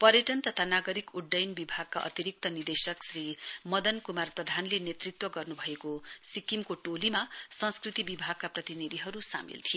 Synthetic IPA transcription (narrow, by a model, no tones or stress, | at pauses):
pʌrjʌʈʌnt̪ʌt̪ʰanaɡʌɾikuɖːʌjnbibʱaɡ̚ka̰ʔʌ̰t̪iɾik̚t̪ʌnird̪esʌksrimʌd̪ʌnkumarprʌd̪ʱanlenet̪rit̪wʌɡʌrnubʱʌekosikimkoʈolimasʌ̃nskrit̪ibibʱaɡ̚kaprʌt̪inid̪ʱiɦʌɾusa̰mḭlt̪ʰije